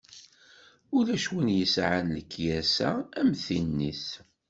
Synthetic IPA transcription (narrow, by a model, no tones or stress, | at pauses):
ʊlæʃwinjəsʕanləkʰːjæsæ̰æmθinːiθ